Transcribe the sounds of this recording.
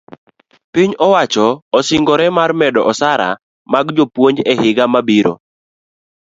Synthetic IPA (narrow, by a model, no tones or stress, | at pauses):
piɲɔwat͡ʃɔːsɪŋɡɔɾɛmarmɛdɔʔɔsaɾa̰ | maɡd͡ʒopwoɲd͡ʒɛhɪɡamabiɾo̰